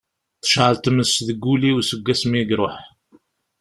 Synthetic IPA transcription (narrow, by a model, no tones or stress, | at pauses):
θə̥ʃʕəlt̪əməsðəɡːuliwsəɡːæsmiɡɾˤoħ